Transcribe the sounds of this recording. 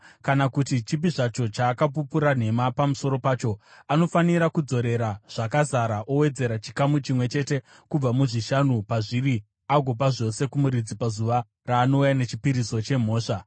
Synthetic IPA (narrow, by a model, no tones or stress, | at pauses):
kanakutit͡ʃip̬iʐat͡ʃo̞t͡ʃaːkap̬upuɾan̤e̞mapamuso̞ɾo̞paːt͡ʃo̞ano̞faniɾakud͡zo̞ɾe̞ɾaʐ̥akazaɾaʔowe̞d͡ze̞ɾat͡ʃi̥kamut͡ʃimwe̞t͡ʃe̞te̞ | kub͡vamuʐiʃanupaʐiri | aɡʱo̞p̬aʐo̞se̞kumuɾid͡zipazuʋa | raːno̞ujane̞t͡ʃipiɾiso̞t͡ʃe̞m̤o̞ːʂa